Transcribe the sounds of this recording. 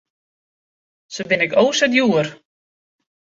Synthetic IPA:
səbɪnɪkoːsədjuər

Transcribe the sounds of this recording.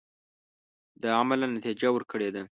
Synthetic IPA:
d̪əamalanat̪id͡ʒawəɾkəɽed̪a

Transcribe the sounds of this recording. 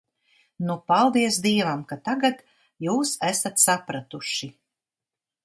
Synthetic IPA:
nupalˠd̪iɛsd̪iɛvamkat̪aɡat̪ | juːsæsat̪sapɾat̪uʃi

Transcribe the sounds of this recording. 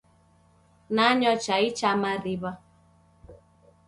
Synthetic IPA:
naɲɔt͡ʃait͡ʃamaɾiβa

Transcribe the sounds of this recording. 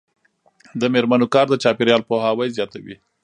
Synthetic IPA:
d̪əmeɾmanokɑɾd̪ət͡ʃɑpeɾjɑlpohawajzjɑt̪awḭ

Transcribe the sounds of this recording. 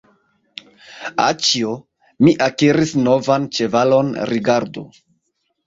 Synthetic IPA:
a̰t͡ʃio | miʔakiɾisno̞vant͡ʃe̞valo̞nɾʔiɡaɾdo̰

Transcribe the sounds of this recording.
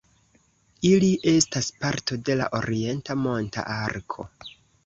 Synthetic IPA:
iliʔe̞staspaɾto̞de̞la̰ʔo̞̰ɾie̞ntamo̞nta̰ʔaɾkʰo̞̰

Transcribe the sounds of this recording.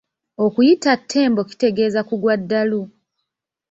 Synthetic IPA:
o̞kujitatʰːe̞ːmbo̞ki̥te̞ɡe̞ːzakuɡwadːalu

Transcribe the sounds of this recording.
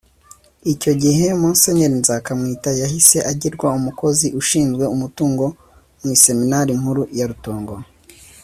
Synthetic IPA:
ico̞ɟiɦe̞moːnse̞ɲeɾinzakamŋiːtajahise̞ʔaɟiɾɡwaumuko̞ziʔuʃiːnzɡwe̞umutuːŋɡo̞ | mwise̞minaɾim̥huɾujaɾuto̞ːŋɡo

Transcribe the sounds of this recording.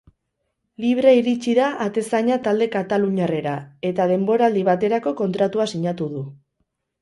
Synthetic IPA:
liβ̞ɾaiɾit͡ʃiðaʔːt̪e̞saɲat̪ald̪e̞kat̪aluɲare̞ɾae̞t̪að̞e̞mbo̞ɾaːld̪iβat̪e̞ɾako̞ko̞nt̪ɾat̪uasiɲat̪uð̞u

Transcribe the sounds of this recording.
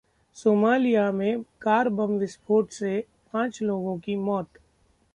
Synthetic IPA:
soːmaːlijamẽkaːɾbəmʋɪspʰoːʈse | pãːt͡ʃloːɡõkimɔːt̪

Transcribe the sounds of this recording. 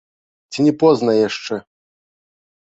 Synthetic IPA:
t͡sʲinʲɛpɔznɐjaʂt͡ʂɛ

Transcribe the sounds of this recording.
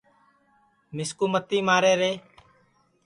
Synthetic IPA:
mɪskuːmət̪ːiːmaːɾeːɾeː

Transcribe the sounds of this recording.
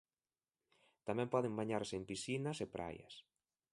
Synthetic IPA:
t̪amɛ̃mpɔðɪŋbaɲaɾsempisinɐsepɾʔa̰jɐ̰s

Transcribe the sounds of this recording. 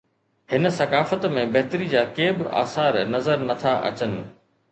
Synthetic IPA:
hɪn̆sɐkaːfət̪mẽbɐɦɪt̪əɾid͡ʑaːkeːbɪʔa̰ːsaːɾnɐzəɾnɐt̪ʰaʔɐ̰t͡ɕənɪ̆

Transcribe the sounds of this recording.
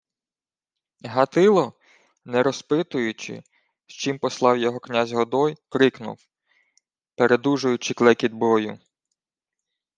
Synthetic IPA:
ɦɐt̪ɪlˠɔ | nɛɾɔspɪt̪ʊjʊt͡ʃɪ̰ | ʃt͡ʃimpɔslˠɑwjɔɦɔknʲazʲɦɔd̪ɔjkɾɪknʊ̰w | peɾed̪uʒʊjʊt͡ʃɪklˠɛkʲid̪̚bɔjʊ̰

